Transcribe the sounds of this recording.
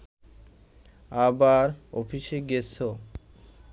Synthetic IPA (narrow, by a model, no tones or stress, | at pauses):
abaɾofʰiʃeɡeso